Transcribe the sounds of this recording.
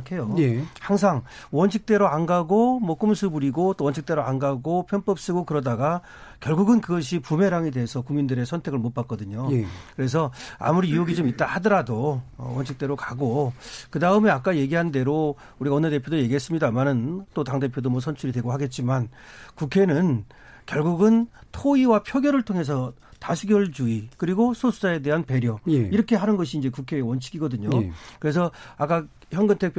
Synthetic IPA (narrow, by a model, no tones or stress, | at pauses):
kʰe̞joehaŋs̬ʰaŋwʌnɕʰik̚t͈e̞ɾoanɡaɡomwʌk͈ɯmsʰubuɾiɡot͈owʌnɕʰik̚t͈e̞ɾoanɡaɡopʰjʌnp͈ʌp̚s͈ɯɡokɯɾʌdaɡa | kjʌɭɡuɡɯnkɯɡʌɕʰipume̞ɾaŋede̞ɦesʰʌkuŋmindɯɾe̞sʰʌntʰe̞ɡɯɭmot̚p͈ak͈̚ʌdɯɲokɯɾe̞s̬ʰʌa̰muɾiiuɡit͡ɕomit͈ahadʌɾadowʌnɕʰik̚t͈e̞ɾokaɡokɯdaɯmeak͈aje̞ɡiɦande̞ɾo | uɾiɡaʌnːede̞pʰjodoje̞ɡiɦes͈ɯmɲidamanɯnt͈otaŋde̞pʰjodomwʌs̬ʰʌnt͡ɕʰuɾidweɡoɦaɡe̞t̚t͡ɕ͈imankukʰe̞nɯn | kjʌɭɡuɡɯntʰoiwapʰjoɡjʌɾɯɭtʰoŋɦe̞s̬ʰʌ | tasʰuɡjʌɭd͡ʑuikɯɾiɡosʰosʰud͡ʑae̞de̞ɦanpe̞ɾjʌiɾʌkʰe̞ɦanɯnɡʌɕ̬ʰiːnd͡ʑe̞kukʰe̞ːwʌnt͡ɕʰi̥ɡiɡʌdɯɲokɯɾe̞s̬ʰʌak͈a | çjʌnɡɯntʰek̚pʰ